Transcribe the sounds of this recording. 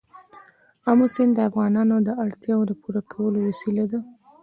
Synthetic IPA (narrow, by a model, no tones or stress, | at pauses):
amosɪnd̪d̪əafɣɑnɑnod̪əʔaɽt̪jɑod̪əpuɾakʰawəlowasilad̪a